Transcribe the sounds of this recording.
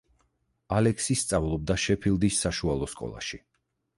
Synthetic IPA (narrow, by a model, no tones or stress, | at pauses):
alɛksist̪sʼavlˠɔb̚d̪aʃɛpʰilˠd̪isːaʃualˠɔskʼɔ̰lˠa̰ʃi